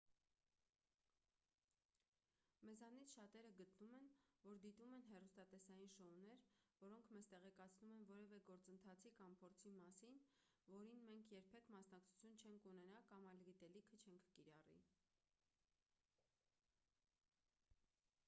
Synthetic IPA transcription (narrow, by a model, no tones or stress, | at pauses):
mɛzɑnit͡sʰʃɑt̪ɛɾəɡət̪numɛnvɔɾd̪it̪umɛnɦɛrust̪ɑt̪ɛsɑjinʃɔɔnɛɾvɔɾɔŋkʰmɛzt̪ɛʁɛkɑt͡sʰnumɛnvɔɾɛvɛɡɔɾt͡sənt̪ʰɑt͡sʰikʰɑmpʰɔɾt͡sʰimɑsin | vɔɾinmɛŋkʰjɛɾpʰɛkʰmɑsnɑk̚t͡sʰu̥t͡sʰjunt͡ʃʰɛŋkʰunɛnɑkɑmɑjlɡit̪ɛlikʰət͡ʃʰɛŋkʰkiɾɑrḭ